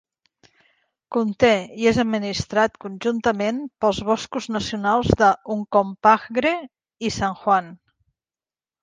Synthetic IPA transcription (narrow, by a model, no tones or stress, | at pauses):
kunt̪eiezəd̪̚minist̪ɾat̪kunʲʒunt̪əmenpəlˠzβɔskuznəsiunalˠzðəuŋkɔmpaxɣɾe | isaŋxwan